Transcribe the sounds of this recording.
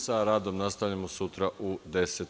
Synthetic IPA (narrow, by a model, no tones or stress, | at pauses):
saɾaːd̪o̞mnast̪aʋʎamosut̪ɾaʔud̪e̞set̪